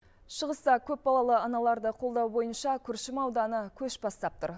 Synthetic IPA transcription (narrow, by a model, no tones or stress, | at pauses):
ʃəʁəst̪ɑkʲʰɵp̚bɑlˠɑlˠəɑnɑlˠɑɾd̪əqʰo̞lˠd̪ɑwbo̞jənʃɑkʲʰʏɾʃɪmɑwd̪ɑnəkʲʰɵʃbɑst̪ɑp̚t̪ʊ̰ɾ